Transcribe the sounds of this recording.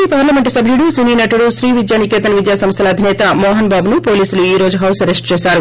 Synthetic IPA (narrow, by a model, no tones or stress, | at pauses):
ipaːɾlɐmeɳʈsɐbʱjuɽusiniːnɐʈuɽuʃɾiːʋid̪jaːnikeːt̪ɐnʋid̪jaːsɐmst̪ʰɐlɐd̪ʱinɛːt̪ɐmoːɦɐnbaːbunupoːliːsuluiːɾoːd͡ʒuɦɐwsɐɾesʈt͡ʃeːʃaːɾu